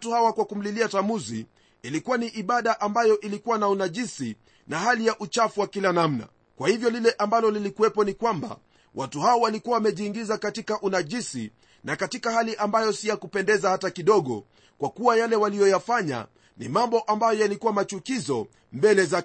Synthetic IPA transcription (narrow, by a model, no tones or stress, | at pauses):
tuhawakwakum̩liliatamuzḭ | ilikuwaniʔiɓaɗaʔambajɔʔilikuwanaunaʄisi | naɦalijaʔut͡ʃafuwakilanam̩na̰ | kwahivjɔlilɛʔambalɔlilikuwɛpɔnikwamba̰ | wʔatuhaɔwalikuwawamɛʄiːŋɡizakatikaʔunaʄisḭ | nakatikahaliʔambajɔsijakupɛndɛzahatakiɗɔɠɔ̰ | kwakuwajalɛwalijɔjafaɲa̰ | nḭmambɔʔambajɔjalikuwamat͡ʃukizɔ | mbɛlɛza